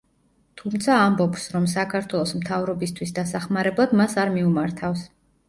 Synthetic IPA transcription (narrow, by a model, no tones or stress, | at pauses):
t̪ʰumt̪sʰaːmbɔpsɾɔms̬akʰaɾt̪ʰwɛlˠɔsmt̪ʰavɾɔbist̪ʰwisd̪asaχmaɾɛblˠad̪masaɾmiumaɾt̪ʰafs